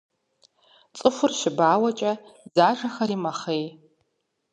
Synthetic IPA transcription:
t͡sʼɨfʷʊrʃɪbaːwɐt͡ʃʼɐzaːʒɐxɐɾimɐχej

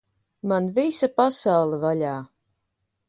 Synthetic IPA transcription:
manvisapasawlˠɨvaʎʲaː

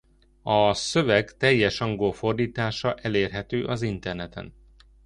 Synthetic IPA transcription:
ɒsø̞vɛɡt̪ɛjːɛʃɒŋɡolfo̞rd̪iːt̪aːʃɒʔɛleːrɦɛt̪øːʔɒzint̪ɛrnɛt̪ɛ̰n

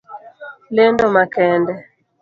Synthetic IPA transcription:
lendɔmakɛndɛ

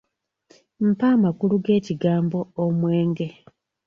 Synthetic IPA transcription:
m̩paːmakuluɡe̞ːciɡaːmbo̞ːmwe̞ːŋɡe̞

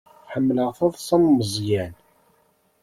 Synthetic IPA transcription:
ħəmːləʁθɑðˤsɑmːəzˤjæn

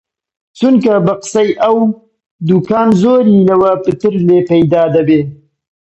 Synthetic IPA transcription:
t͡sunkabaqsajʔaw | d̪ukɑːnzoɾilawapət̪əɾlepajd̪ɑːd̪abe

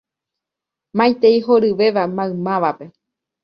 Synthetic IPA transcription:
mãj̃t̪eiɦoɾɨʋe̞ʋamãɨ̃mãʋape̞

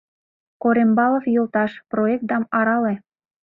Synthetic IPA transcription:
koɾembɑlɤfjolt̪ɑʃproek̚t̪ɑmɑɾɑle

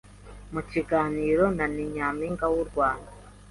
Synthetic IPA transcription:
muciɡaːniːɾonaniɲaːmiŋɡawuɾɡwaːna

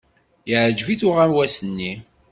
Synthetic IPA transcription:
jəʕd͡ʒviθʊʁæmwæsənːi

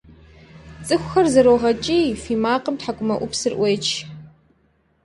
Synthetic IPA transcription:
t͡sʼɨxʷxɐrzɐɾoʁɐt͡ʃʼiːfiːmaːqəmtħakʷʼʊmɐʔʷʊpsɨrʔʷeːt͡ʃʰ

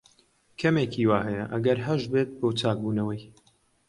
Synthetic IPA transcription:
kʰɐmekʰiːwaːɦɛjɐʔɐ̰ɡɐɾɦɐʒbet̪̚boːt͡saːk̚buːnɐwɐj

